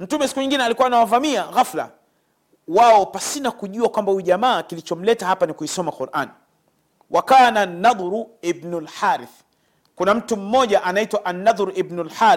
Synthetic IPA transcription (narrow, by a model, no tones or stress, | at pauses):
m̩tumɛsi̥kuɲiŋɡinɛalikuwanawavamiaɣafla̰ | waɔpasinakuʄuakwambahuiʄamaːkilit͡ʃɔm̩lɛtahapanikuisɔmaquɾʔa̰ni | wʔakaːnanːaðˤɾuibnulħaːɾiθ | kunam̩tum̩mɔʄaʔanaitwaʔanːaðˤɾibnulħaːɾ